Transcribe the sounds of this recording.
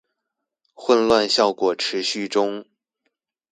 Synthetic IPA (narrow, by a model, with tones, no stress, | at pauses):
xwə˥˧nlwa˥˧nɕjɑ˥˩ʊkwɔ˨˩ʈ͡ʂʰɻ̩˧˥ɕy˥˩ʈ͡ʂʊ˥ŋ